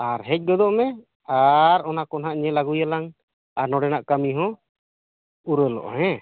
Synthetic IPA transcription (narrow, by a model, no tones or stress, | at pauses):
aɾɦɛc̚ˀɡɔd̪ɔʔmɛ | aɾɔnakɔnɦaʔɲɛlaɡujalaŋ | aɾnɔɽɛnaʔkamiɦɔ̃ | uɾəlɔ̰ʔɔ̰hɛ̃